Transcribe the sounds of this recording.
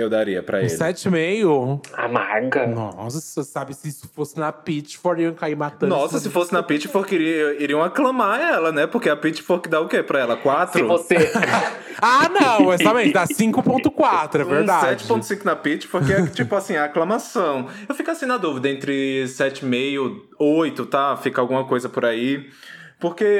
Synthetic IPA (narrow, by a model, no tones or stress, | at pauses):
ewd̪aɾiɐpɾɐ̰ḛlsɛt͡ʃɪmejoa̰ma̰ɡɐnɔ̰sɐossabɪsɪsʊ̥fosɪnɐpit͡ʃɪ̥foɾiɐ̃w̃kaiɾmat̪ɐ̃nɔsɐsɪfosɪnɐpit͡ʃɪfoɾkiɾiiɾiɐ̃w̃aklɐ̃maɛlɐnɛpoɾkeɐpit͡ʃɪ̥foskɪd̪aʊkepɾɐɛlɐkwat̪sɾʊvose | anɐ̃w̃mɛjst̪abẽd̪asĩŋkʊpõnt̪ʊkwat̪ɾʊɛveɾd̪asɛt͡ʃɪ̥põt̪ʊ̥sĩŋkʊnɐpit͡ʃɪ̥foɾket͡ʃipʊasĩɐklɐ̃masɐ̃w̃ewfikasĩnɐd̪uvid̪ɐẽnt̪ɾɪsɛt͡ʃɪmejʊ | ojt̪ʊt̪afikawɡũmɐkojzɐpoɾaipoɾke